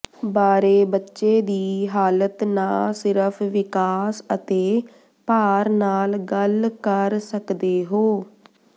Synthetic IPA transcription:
baːɾeːbətːʃeːd̪iːɦaːlət̪nãːsɪɾəpʰʋɪkaːsət̪eː | paːɾnaːlɡəlkəɾsəkd̪eːɦoː

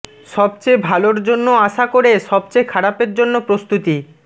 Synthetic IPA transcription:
ʃɔb̚t͡ɕebʱaloɾd͡ʑonːoaʃakoɾeʃɔbt͡ɕekʰaɽapeɾd͡ʑonːopɾost̪ut̪i

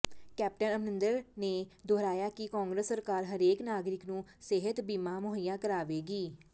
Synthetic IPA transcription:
kɛːp̚ʈənəmnɪ̃nd̪əɾneːd̪oːɾaːjaːkɪkɔ̃ːŋɡɾəsːəɾkaːɾɦəɾeːknaːɡɾɪknũːseɦət̪biːmãːmʊɦəjːãːkəɾaːʋeːɡiː

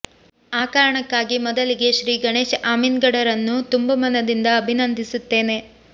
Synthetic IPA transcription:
aːkaːɾɐɳɐkːaːɡimɔd̪ɐliɡe̞ʃɾiːɡɐɳe̞ːʃaːminɡɐɽɐɾɐnːut̪umbɐmɐnɐd̪ind̪ɐːbʱinɐnd̪ʱisut̪ːe̞ːne̞

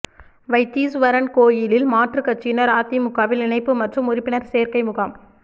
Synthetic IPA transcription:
ʋɐɪt̪ːiːsʋɐɾɐnkoːjɪlɪlmaːʈrɯkɐʈ̚t͡ʃːɪnɐɾaːt̪ːimʊɣaːʋɪlɪnɐɪpːɯmɐʈrɯmʊɾɪpːɪnɐɾseːɾkɐɪmʊɣam

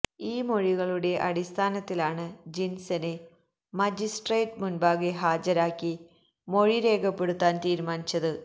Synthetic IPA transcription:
iːmo̞ɻiɣɐɭuɽe̞ʔɐɽist̪ʰaːnɐt̪ːilaːɳɨd͡ʑinsɐne | mɐd͡ʑisʈreːtmunbaːɡeɦaːd͡ʑɐɾaːkːi | mo̞ɻiɾe̞ːkɐpːe̞ɽut̪ːaːnt̪iːɾumaːnit͡ɕːɐðɨ

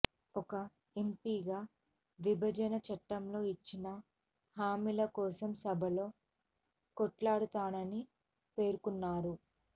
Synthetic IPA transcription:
ɔkɐ | empiːɡaː | ʋibʱɐd͡ʒɐnɐt͡ʃɐʈːɐmlo̞ːit͡ʃːinɐ | haːmilɐkɔːsɐmsɐbʱɐlo̞ː | kɔʈlaːɽut̪aːnɐni | pe̞ːɾukunːaːɾu

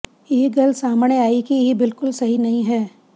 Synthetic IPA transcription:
eːɡɐlsaːmneaːikijebɪlkʊlsɐɦinɐɦĩɦɛː

